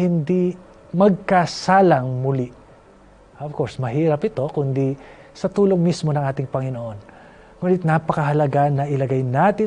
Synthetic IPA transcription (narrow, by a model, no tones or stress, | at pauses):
hɪnd̪i | mɐɡ̚kɐsaːlɐŋmʊli | ʔɐvko̞ɹsmɐɦiːɾɐpɪt̪o̞kʊnd̪i | sɐt̪uːlo̞ŋmismo̞nɐŋʔaːt̪ɪŋpɐŋɪnoʔo̞n | ŋuːnɪt̪̚napɐkɐɦɐlɐɡanɐʔɪlɐɡajnaːt̪ɪ